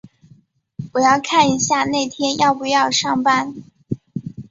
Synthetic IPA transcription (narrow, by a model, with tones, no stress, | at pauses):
wɔ˨˩jɑ˥˧ʊkʰa˥˩ni˧˥ɕja˥˧ne˥˩ɪt̪ʰjɛ˥njɑ˥˩ʊpu˧˥jɑ˥˧ʊʂɑ˥˩ŋpa˥n